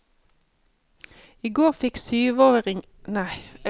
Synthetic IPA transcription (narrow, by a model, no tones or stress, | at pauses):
iːɡoːʁfɪksyːʋoːʁɪŋ | næɪ